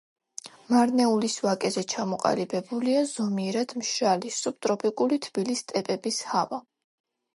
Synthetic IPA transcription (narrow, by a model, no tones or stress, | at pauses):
maɾnɛulisvakʼɛzɛt͡ʃʰamɔqʼa̰libɛbuliazɔmiɾad̪ʰmʃɾalisub̚t̪ʼɾɔpʰikʼulit̪ʰb̥ilist̪ʼɛpʼɛbishava